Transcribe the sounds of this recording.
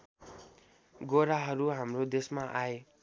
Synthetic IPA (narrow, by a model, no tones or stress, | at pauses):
ɡoɾaɦʌɾuɦamrod̪esmaʔae